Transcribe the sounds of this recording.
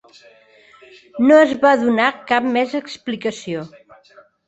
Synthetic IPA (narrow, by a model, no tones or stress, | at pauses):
noəzβaðunakap̚mɛzəksplikəsio